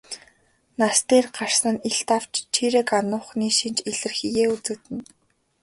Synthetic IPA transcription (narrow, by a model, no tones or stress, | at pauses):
nast̪eːrɢarsə̆niɬt̪aw̥t͡ɕt͡ɕʰiɾɘ̆kanʊːχniːʃint͡ɕiɮɘ̆rxiɣeːut͡sɘ̆kt̪ɘ̆n